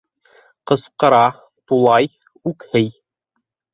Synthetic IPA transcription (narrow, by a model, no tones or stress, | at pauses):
qɤ̆sqɤ̆ɾɑ | t̪ulˠɑj | ʉkhɘj